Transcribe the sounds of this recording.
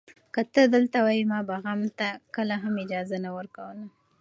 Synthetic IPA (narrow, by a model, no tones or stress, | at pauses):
kət̪əd̪əlt̪awɑjimɑbaɣamt̪akəlaɦamɪd͡ʒɑzanawəɾkawəla